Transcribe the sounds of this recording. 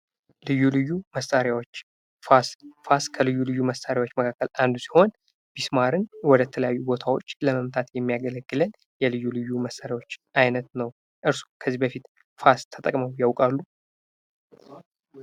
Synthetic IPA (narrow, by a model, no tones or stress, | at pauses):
lɨjːulɨjːuməst̪ʼaɾjawot͡ʃː | fasfaskʰəlɨjːulɨjːuməst̪ʼaɾjawot͡ʃːməkʰakːəland̪usi̥ho̞n | b̥ismaɾɨnwɔd̪ət̪ʰələjajːubo̞t̪ʰawo̞t͡ʃːləməmt̪ʰat̪jɛmːijaɡələɡːɨlən | jɛlɨjːulɨjːuməst̪ʼaɾjawo̞t͡ʃːʔajnət̪nəw | ʔɨɾsu̥kʰəzːibəfit̪ | fast̪ʰət̪ʼə̰kʼməwjawkʼalːu